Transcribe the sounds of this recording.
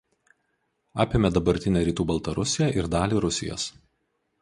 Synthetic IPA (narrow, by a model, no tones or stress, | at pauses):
ɑːpʲemʲɛd̪ɐbɐɾʲt̪ʲɪnʲɛːɾʲiːt̪uːbɐlˠt̪ɐɾʊsʲɪjɛʔɪɾd̪ɑːlʲiːɾʊsʲɪ̰jo̰ːs